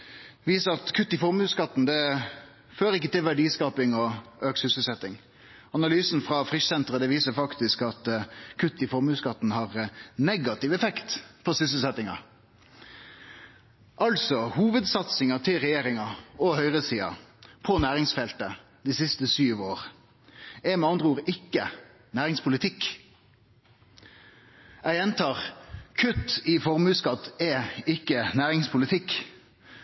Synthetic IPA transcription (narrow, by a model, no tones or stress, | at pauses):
ʋiːsəɾɑt̪kʰʉt̪ːɪfɔɾmʉskɑt̪ːn̩d̪ɛ | føːɾɪkːət̪ɪlʋæɖiːskɑːpɪŋɔøːksʏsəlsɛt̪ːɪŋ | ɑnɑlyːsn̩fʁɑfɾɪʃsɛnt̪ɾəd̪ɛʋiːsəɾfɑkt̪ɪskɑt̪kʰʉt̪ːɪfɔɾmʉːskɑt̪n̩hɑʁnɛɡɑt̪ɪʋɛfɛkt̪pʰɔsʏs̬əsɛt̪ɪŋɑ̰ | ʔɑltsɔhuːʋəd̪sɑt̪sɪŋɑt̪ʰɪlʁɛjeːʁɪŋɑɔhœʏʁəsiːɑ̰pʰɔnæːʁɪŋsfɛlt̪ə | d̪iːsɪst̪əsyːʋoːʁ | ɛmɛɑnd̪ʁəuːʁɪkːə | næːʁɪŋspʰʊlɪt̪ʰɪk | ʔæɪjɛnt̪ʰɑːʁkʰʉt̪ːifɔʁmʉːskɑt̪ːɛɪkːənæːʁɪŋspʰʊlɪt̪ʰɪk